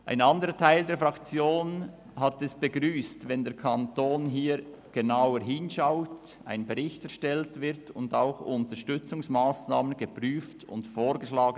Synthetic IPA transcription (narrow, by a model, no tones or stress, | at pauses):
ʔa̰ɪnɑndəɾətʰaɪldeːɐfʁɑkt͡sjoːn | hatɛsb̥əɡʁyːstvɛndeːɾkʰɑntoːnɦiː | ɡ̥enaʊəɾɦɪnʃaʊt | ʔa̰ɪnbəʁɪçtɛɐɾʃtɛltvɪɾtʊ̰ndaʊxʊntəʃtʏt͡sʊŋsmaːsnaːmənɡəpʁyːftʊ̰ntfoːɾɡəʃlaːɡən